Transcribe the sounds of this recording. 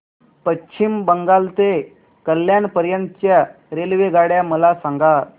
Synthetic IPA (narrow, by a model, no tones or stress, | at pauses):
pəɕʰimbəŋɡalt̪e | kəlːjanpəɾjənt̪ət͡ɕja | ɾelʋeɡaɽjaməlasaŋɡat̪